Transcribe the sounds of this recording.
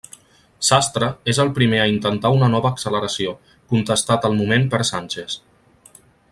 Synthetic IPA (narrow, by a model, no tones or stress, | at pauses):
sast̪ɾəezəlˠpɾimeəint̪ənt̪aunənɔβəːksələɾəsio | kunt̪əst̪at̪əlˠmumempəɾsanʲt͡ʃes